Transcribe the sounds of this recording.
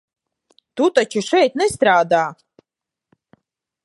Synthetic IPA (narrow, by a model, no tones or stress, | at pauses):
t̪ut̪at͡ʃɨʃɛjt̪̚nɛst̪ɾaːd̪aː